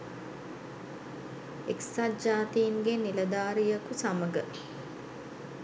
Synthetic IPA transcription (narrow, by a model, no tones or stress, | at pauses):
eksad͡ʒaːt̪iːŋɡeniləd̪aːɾijəkusaməɡə